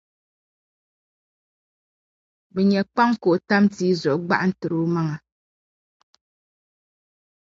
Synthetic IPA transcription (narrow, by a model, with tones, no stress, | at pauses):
bɛ˨ɲɛ˨k͡pa˦ŋko˨ʔta˦mti˦zɔ˨ʔɡ͡ba̰˦ʔn̩˦tɨ˨ɾu˦ma˦ŋa˨